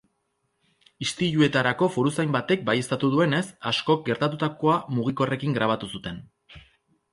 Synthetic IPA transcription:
ist̪iʎue̞t̪aɾako̞fuɾusajmbat̪e̞k̚baje̞st̪at̪uðue̞ne̞sasko̞k̚ɡe̞ɾt̪at̪ut̪ako̞amuɣ̞iko̞re̞kiŋɡɾaβ̞at̪usut̪e̞n

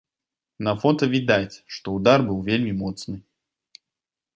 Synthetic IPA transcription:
nɐfɔt̪əvʲid̪atʲʂt̪oʊd̪arbɨlˠvʲelʲmʲimɔt̪snɨ

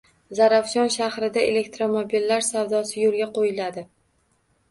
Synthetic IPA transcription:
zaɾafʃɒnʃahɾɪd̪aḛle̞k̚t̪ɾomobilːaɾsawd̪ɒsɪjolˠɡʲaqʰojɪlad̪ɪ

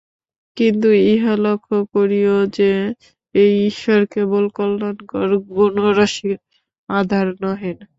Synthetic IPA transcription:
kint̪uiɦalokʰːokoɾijod͡ʑe | ejiʃoɾkebolkɔlːonkɔɾɡonoɾaʃiɾ | ad̪ʱaɾnɔɦen

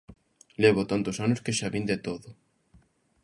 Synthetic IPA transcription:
leβ̞ot̪ant̪osanoskeʃaβind̪et̪oðʊ

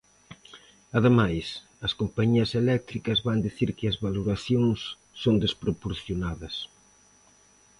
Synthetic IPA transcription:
ɐðemajs | ɐskompaɲiɐselɛk̚t̪ɾikɐzβand̪iθiɾkɪɐzβaloɾaθjoŋsː | ond̪espɾopoɾθjonaðɐs

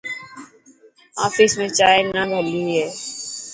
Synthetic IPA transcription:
aːfismẽt͡ʃaːennabʱəlːiɦɛː

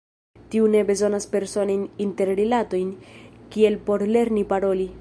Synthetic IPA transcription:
tiune̞be̞zo̞naspe̞ɾso̞nojninte̞ɾɾilato̞jnkie̞lpo̞ɾle̞ɾnipaɾo̞li

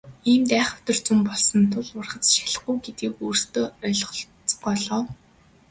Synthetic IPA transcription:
iːmt̪æːχʊ̥t̪ɞ̆r̥t͡sumpɔɮsɞ̆nt̪ʰʊɮʊrχə̆t͡sʃḁɮə̆χɡujɡet̪ɡiːkuːrst̪oːœɮʁɞɮ | t͡sɢɔːɮɔːw

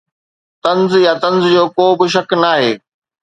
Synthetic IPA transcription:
t̪ɐ̃nzjat̪ɐ̃nzd͡ʑoːkoːbɪʃ̬ɐknaːɦeː

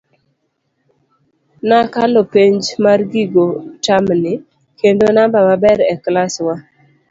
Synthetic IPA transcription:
nakalopeɲd͡ʒmarɡiɡotamnɪ | kendonambamabɛɾɛklaswa

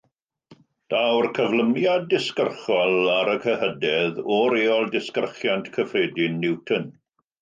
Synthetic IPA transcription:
d̥awrkʰəvləmjadːɪskərχɔlˠaɾəkʰəhədɛðɔɾeːɔlˠdɪskərχjantʰkʰəfreːdɪnːɪwtʰən

